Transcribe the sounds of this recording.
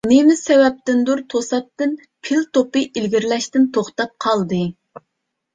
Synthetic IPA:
nemɪsɛwɛp̚t̪ɪnd̪uɾt̪ʰosɑp̚t̪ɨn | pʰɪlt̪opɨʔilɡʲiɾlɛʃt̪ɪnt̪ʰoχt̪ɑp̚qʰɑlˠd̪ɨ

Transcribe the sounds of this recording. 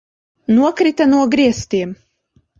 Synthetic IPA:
nuɔkɾit̪anuɔɡɾiɛst̪iɛm

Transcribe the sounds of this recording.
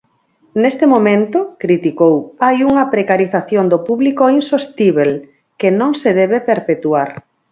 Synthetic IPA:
nest̪emomẽnt̪okɾit̪ikowajuŋɐpɾekaɾiθaθjond̪opuβlikoinsost̪iβel | kenõŋseðɛβ̞epeɾpet̪uaɾ

